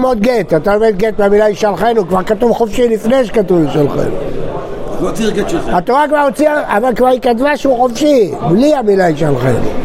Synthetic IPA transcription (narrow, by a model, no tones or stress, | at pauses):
mot̪̚ɡet̪at̪aomet̪̚ɡet̪meamilaiʃalχenukvaʁkat̪uvχofʃilifneʃe̥kat̪uviʃalχḛnṵ | ɡat̪oʁakvaʁot͡siaavalkvaʁikat̪vaʃuχofʃibliamilaiʃalχḛnṵ